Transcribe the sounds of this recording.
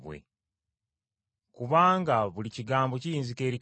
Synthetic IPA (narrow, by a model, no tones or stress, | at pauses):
βwḛ | kuβaːŋɡaβuliciɡaːmbo̞cijiːnzike̞ɾi